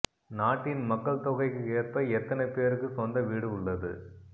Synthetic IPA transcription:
naːʈːɪnmɐkːɐɭt̪ɔɣɐɪkːɯeːrpɐɛt̪ːɐnɐɪpeːɾɯkːɯkːɔnd̪ɐʋiːɽɯʊɭːɐðɯ̰

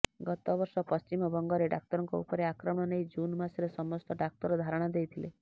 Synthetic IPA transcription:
ɡɔt̪ɔbɔɾsɔpɔst͡ʃimɔbɔŋɡɔɾeɖak̚t̪ɔɾɔŋkɔṵpɔɾeakɾɔmɽ̃ɔnejd͡ʒunmasɾesɔmɔsʈ̪ɔɖak̚t̪ɔɾɔd̪ʱaɾɔɽ̃ad̪ejt̪ʰile

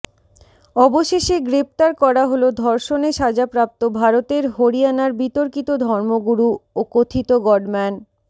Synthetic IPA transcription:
ɔboʃeʃeɡɾep̚t̪aɾkɔɾaɦolod̪ʱɔɾʃoneʃad͡ʑapɾap̚t̪obʱaɾot̪eɾɦoɾianaɾbit̪oɾkit̪od̪ʱɔɾmoɡuɾuokot̪ʰit̪oɡɔɖmɛn

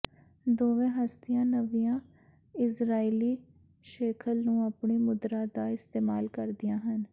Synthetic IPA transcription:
d̪oːʋẽːɦəst̪ɪjãːnəʋijãː | ɪsɾaːiːliː | ʃɛːkʰəlnũːapɳeːmʊd̪ɾaːd̪aːɪst̪eːmaːlkəɾd̪ɪjãːɦən

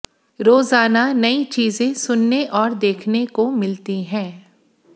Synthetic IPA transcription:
ɾoːzaːnanɐit͡ʃiːzẽsʊnːeʔɔːɾd̪eːkʰnekomɪlt̪iɦɛ̃ː

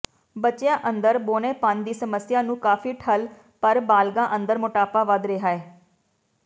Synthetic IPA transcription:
bət͡ʃjãːʔə̃nd̪əɾboːneːpãːnd̪iːsəməsɪjaːnũːkaːfʰiːʈʰəl | pəɾbaːlɡãːʔə̃nd̪əɾmʊʈaːpaːʋəd̪ɾeːɦaːeː

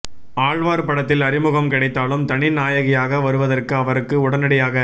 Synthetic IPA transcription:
aːɻʋaːɾpɐɽɐt̪ːɪlɐɾɪmɯɣɐmkɪɽɐɪt̪ːaːlɯmt̪ɐɳɪnaːjɐɣɪjaːɣɐʋɐɾɯʋɐðɐrkɯɐʋɐɾɯkːɯʊɽɐnɐɽɪjaːɣɐ

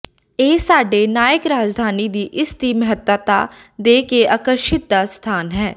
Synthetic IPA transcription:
eːsaːɖeːnaːjəkɾaːd͡ʒd̪ʱaːniːd̪iːʔɪsd̪iːməɦət̪ət̪a̰ːd̪eːkeʔaːkəɾʃɪt̪̚d̪aːst̪ʰaːnɦɛː

